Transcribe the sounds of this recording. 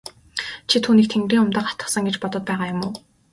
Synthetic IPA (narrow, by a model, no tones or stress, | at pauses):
t͡ɕʰit̪ʰuːniːk̚t̪ʰeŋɡriːŋʊmt̪aːχḁt̪ə̆sə̆ŋɡet͡ɕpɔt̪ɞ̆t̪̚pæːʁaːjʊmʊː